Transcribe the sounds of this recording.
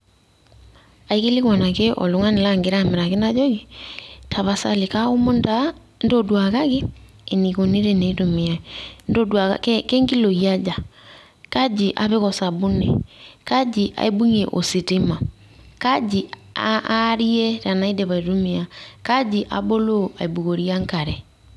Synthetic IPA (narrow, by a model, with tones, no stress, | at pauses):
a˨ike˦li˦ɣwa˨na˨ke˦ʔɔ̰˨lo˨˦ŋa˦ne˨la˦ŋɡe˨ɾa˦me˨ɾa˨ke˦na˦d͡ʒɔ˦ɣi˨tʰa˨βa˨sa̰˨le˨ka˦o˦mo˦nda˦ | ndo˦dwa˨ɣa˦ɣeː˦˨ | ni˨ko˨ne˦ɾe˦ne˨i˦to˨mi˨a˨ndo˦dwa˨ɣa̰kɛkɛ˦ŋɡi˦lo˨i˨a˦d͡ʒa˨ | ka˦d͡ʒiʔa̰˨βe˦ɣɔsa˨βu˦nɛ̰˨ka˦d͡ʒi˨ʔa̰˨e˦bu˦ŋeʔo̰˨si˨te˦ma˨ | ka˦d͡ʒi˨a̰ɾi˦ɛ˦ɾa˨na˦i˦dɛ˨βa˨iɾo˦mi˨a˨ka˦d͡ʒi˦ʔa̰˨bo˦lo˦a̰˨i˨bu˨ɣo˨ɾi˦a˦ŋka˨ɾɛ˨